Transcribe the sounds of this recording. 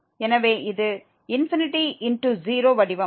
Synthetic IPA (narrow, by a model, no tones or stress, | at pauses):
ɛnɐʋeːɪðɯ | ɪnfɪnɪʈiɪnʈuziːɾoːʋɐɽɪʋɐ̃